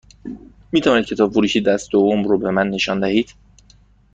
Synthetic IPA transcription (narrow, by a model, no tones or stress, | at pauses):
miːt̪ʰævɒːnid̪̚cʰe̞t̪ɒːbfoɾuːʃiːd̪æst̪d̪ovːomɾoːbe̞mænːe̞ʃɒːnd̪æhiːd̪̥